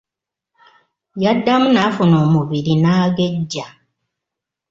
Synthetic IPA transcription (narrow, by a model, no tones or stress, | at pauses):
jadːamunafuno̞ːmuβiɾinaːɡe̞ɟːa